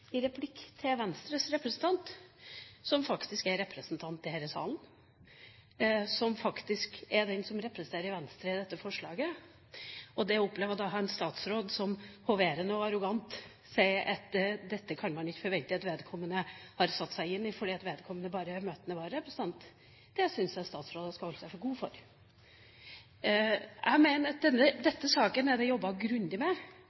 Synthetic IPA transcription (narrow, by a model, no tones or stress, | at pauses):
ɪɾɛpʰlɪkːt̪ʰɪlʋɛnst̪ɾəsɾɛpɾəsn̩t̪ʰɑnt̪ | sɔmfɑkt̪ɪskæɾɾɛpɾəsnt̪ʰɑnt̪ːɪhɛɾəsɑ̰ːln | sɔmfɑkt̪ɪskɛd̪ɛnsɔmɾɛpːɾəsən̩eːɾəɾɪʋɛnst̪ɾəɪd̪ɛt̪ːəfɔʂɭɑːɡə | ɔd̪ɛɔpːleːʋəd̪ɑɦɑɛnst̪ɑːt̪sɾoːd̪sɔmhɔʋeːɾənəɔɑɾʊɡɑnt̪ | sæɪɑt̪d̪ɛt̪ːəkʰɑnmɑnlɪçfɔɾʋɛlt̪d̪ɪɑt̪ʋeːd̪kʰɔmːənəhɑɾsɑt̪ːsæɪɪnːɪfɔɖiːɑt̪ʋeːd̪kʰɔmːənəbɑːɾəɾmøːt̪ənəʋɑːɾəpɔst̪ɑnt̪ | d̪̥ɛsʏnsɛnst̪ɑːt̪sɾoːd̪ɑskɑhɔləsæɪfɔɾɡuːfɔ̰ɾ | ʔæ̰ɪmeːnəɾd̪ɛnːəd̪ɛt̪ːəsɑːkənɛd̪ɛjɔbːɑɡɾʉnd̪ɪmɛ